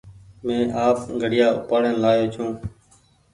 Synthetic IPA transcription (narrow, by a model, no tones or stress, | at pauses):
mẽːʔaːpɡʱəɽɪjaːʊ̰paːɽənlaːjoːt͡ʃʰũː